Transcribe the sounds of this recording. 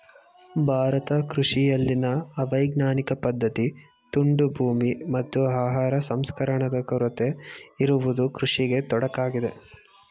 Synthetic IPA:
bʱaːɾɐt̪ɐkɾuʂijɐlːinɐːʋɐjɡnaːnikɐpɐd̪ʱːɐt̪i | t̪uɳɖubʱuːmimɐt̪ːuaːɦaːɾɐsɐmskɐɾɐɳɐd̪ɐkɐɾut̪eiɾuʋud̪ukɾuʂiɡe̞t̪ɔɽɐkaːɡid̪e̞

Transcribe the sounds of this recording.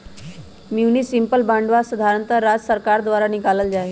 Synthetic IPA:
munisimpəlbaɳɖʋasəd̪ʱaɾənt̪əɾːad͡zsəɾkaɾd̪ʋaɾanikaləld͡ʑaɦe

